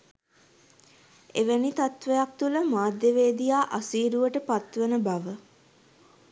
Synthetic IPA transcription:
eʋənit̪at̪ʋejak̚t̪uləmaːd̪jəʋeːd̪ijaːʔasiːɾuʋəʈəpat̪ʋenəbaʋə

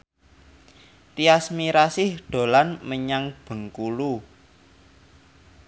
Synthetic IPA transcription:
riasmiɾasɪhɖ̪̥o̤lanməɲaŋb̥ə̤ŋkulu

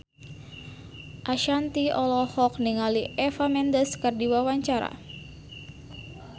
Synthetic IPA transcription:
ʔaʃant̪iɔlɔhɔk̚niŋaliʔɛfamɛndəskɨrdiwawaɲt͡ʃaɾa̰

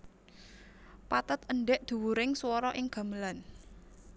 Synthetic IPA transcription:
pat̪ət̪əɳɖɛʔd̪̥ṳwuɾɪŋswɔɾɔʔɪŋɡ̥ä̤məlan

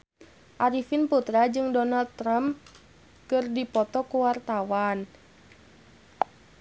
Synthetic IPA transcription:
ʔaɾifinput̪ɾad͡ʒɨŋdɔnald̪̚t̪ːɾamp | kɨrdipɔt̪ɔkuwart̪awan

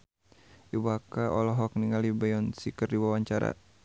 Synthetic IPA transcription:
ʔibakaʔɔlɔɦɔk̚niŋalibajɔnsikərdiwawaɲt͡ʃaɾa̰

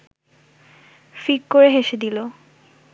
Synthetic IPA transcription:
fikkoɾeɦeʃed̪ilo

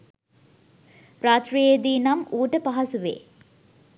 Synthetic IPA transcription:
ɾaːt̪rijed̪iːnɐmuːʈəpaɦɐsuʋḛː

